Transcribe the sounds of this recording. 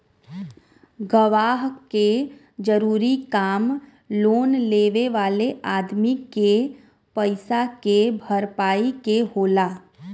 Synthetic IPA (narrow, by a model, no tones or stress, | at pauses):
ɡəʋaːɦke | d͡ʒəɾuːɾikaːm | loːnleːʋeʋaːleʔaːd̪mike | pəɪsakebʱəɾpaːikeɦoːlaː